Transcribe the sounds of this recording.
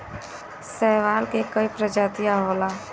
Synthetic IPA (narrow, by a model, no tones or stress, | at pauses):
sɛːʋaːlkekəipɾəd͡ʒaːt̪ijaɦoːlaː